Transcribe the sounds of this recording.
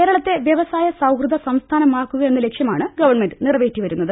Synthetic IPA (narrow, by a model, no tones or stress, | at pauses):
eːɾɐɭɐt̪ːe̞ʋjɐʋɐsaːjɐsɐwkrɨd̪ɐsɐmst̪ʰaːnɐmaːkːuɣɐe̞nːɨle̞kʂjɐmaːɳɨɡɐʋɐrɳme̞nɖɨnirɐʋe̞ːtːiʋɐɾunːɐðɨ